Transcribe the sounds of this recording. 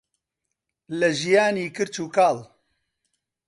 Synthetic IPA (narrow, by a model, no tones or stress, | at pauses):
lɨʒijaːniːkɨɾt͡ʃuːkaːl